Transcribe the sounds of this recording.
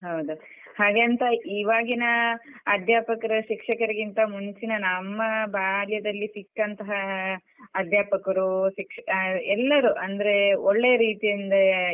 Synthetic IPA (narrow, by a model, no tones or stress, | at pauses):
ɦɐwd̪u | haːɡaːnt̪ɐiːʋaːɡinɐɐd̪ʱjaːpɐkɐɾɐʃikʂɐkɐɾiɡint̪ɐmuɲt͡ʃinɐnɐmːɐbaːljɐd̪ɐlːisikːɐnt̪ɐɦɐː | d̪ʱjaːpɐkɐɾuʃikʂɛlːɐɾuʔɐnd̪ɐɾe̞ɔɭːe̞jɐɾiːt̪ijɐnd̪ɐ